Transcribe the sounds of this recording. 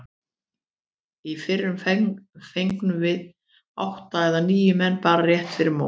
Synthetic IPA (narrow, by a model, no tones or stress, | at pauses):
ifɪrːʏmfejŋknʏmvɪð | a̰wht̪aɛðaniːjʏmɛnːpaːɾarjɛht̪fɪɾɪɾmo̰